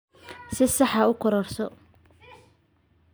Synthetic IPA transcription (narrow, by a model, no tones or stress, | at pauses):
sɪsɑħɑʊkʰɔɾɔrsɔ